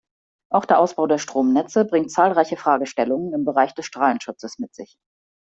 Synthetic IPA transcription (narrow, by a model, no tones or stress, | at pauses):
ʔaʊxd̥eɐʔaʊsb̥aʊdeːɐʃtʁ̥oːmnɛt͡səbʁɪŋtt͡saːlʁaɪçəfʁ̥aːɡəʃtɛlʊŋənɪmbəʁaɪçd̥ɛsʃtʁ̥aːlən̩ʃʊt͡səsmɪtz̥ɪç